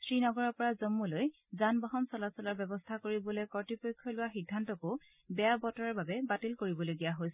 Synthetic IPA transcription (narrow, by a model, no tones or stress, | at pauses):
sɹinɔɡɔɹɔɹpɔɹazomːuloj | zanbɔɦɔnsɔlasɔlɔɹbɛbɔstʰakoɹibɔlejkɔɹtipojkʰːɔlʊwaxidʱːantɔkʊ | bɛjabɔtɔɹaɹbabɛbatilkoɹibɔloɡijaɦojsɛ